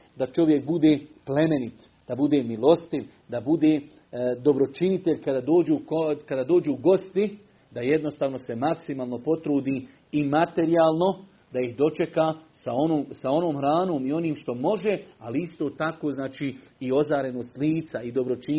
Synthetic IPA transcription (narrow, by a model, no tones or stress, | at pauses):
d̪at͡ʃo̞ʋje̞kbud̪e̞ːple̞me̞nit̪ | d̪̥abud̪e̞ːmilo̞st̪iʋ | d̪abud̪e̞ː | d̪o̞bɾo̞t͡ʃinit̪eʎkad̪aːd̪oːd͡ʒuːkokad̪aːd̪oːd͡ʒuːɡo̞st̪i | d̪aje̞d̪no̞st̪aːʋno̞se̞maksimaːlˠno̞po̞t̪ɾuːd̪iː | mat̪e̞ɾijaːlˠno̞ | d̪ajiɦd̪o̞t͡ʃe̞kaːsaonoːmsao̞no̞ːmhɾaːno̞ːmio̞niːmʃt̪o̞mo̞ʒe̞aliist̪oːt̪akoːznaːt͡ʃiː | io̞zaːɾe̞nost̪liːt̪said̪o̞bɾo̞t͡ʃi